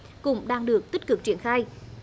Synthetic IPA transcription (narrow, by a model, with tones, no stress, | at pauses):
kʊ̰˧˥ŋ͡mɗaː˧ŋɗɨ˨˩ək̚t̪i˦˥t̚kɨ˨˩k̚t͡ɕi˧˩ənxaː˧j